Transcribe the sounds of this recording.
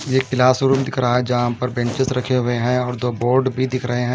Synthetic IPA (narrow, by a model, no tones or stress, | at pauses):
jeːkɪlaːsʊɾuːpd̪ɪkʰɾaaɦɛd͡ʒaɦːãmpɐɾbɛ̃nt͡ʃɪsɾɐkʰeɦʊeɦɛ̃ɔːɾd̪oːboːɾɖbʱid̪ɪkʰɾəɦeɦɛ̃